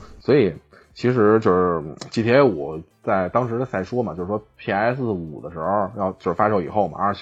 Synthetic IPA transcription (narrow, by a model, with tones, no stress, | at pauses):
swɔ˧˥i˨˩˦ | t͡ɕʰi˧˥ʂ̬ɻ̩˧˥t͡ɕjo˥˧ʊʂɻ̩˥˩t͡ɕi˥t̪ʰjɛ˥nwɔ˨˩t͡sa˥˩ɪt̪ɑ˥ŋʂɻ̩˧˥ə˧sʰa˧˥ɪʂwɔ˥mɐ˨˩t͡ɕjo˥˧ʂɻ̩˧˩wɔ˥pʰi˧˥˩a˧˥ɪs̬ɹ̩˥˩u˨˩d̪ə˦ʂɻ̩˧˥xo˧jɑ˥˩ʊt͡ɕjo˥˧ʊʂ̩˥˧˩fa˥ʂɤ˧˥˩ḭ˨˩xo˥˩ʊmɐ̰˩ə˞˧˥